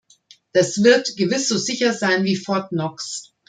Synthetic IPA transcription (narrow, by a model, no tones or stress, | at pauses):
d̥asv̥ɪɐtɡ̥əvɪsz̥oːzɪçɐzaɪnviːfɔɐtnɔks